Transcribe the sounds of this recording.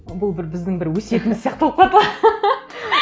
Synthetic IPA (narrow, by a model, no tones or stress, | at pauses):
bʊlˠbɪɾbɪzd̪ɪŋbɪɾwɵse̞t̪ɪmɪzsjɑqt̪əlˠəpqʰɑt̪əlɑ